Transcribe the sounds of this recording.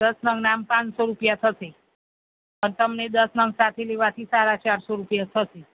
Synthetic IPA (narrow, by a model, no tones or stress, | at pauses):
d̪əsnəŋɡnampãt͡ʃsoɾupjat̪ʰəse | pəɾt̪əmned̪əsnəŋɡsat̪ʰeleʋat̪ʰisaɾat͡ʃaɾsoɾupjat̪ʰəse